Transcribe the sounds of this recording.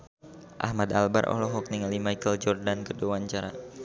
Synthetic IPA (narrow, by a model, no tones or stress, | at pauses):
ʔa̰hmad̪albarʔɔ̰ɦlɔɦɔk̚niŋalimajkəld͡ʒɔrdankədowaɲt͡ʃaɾa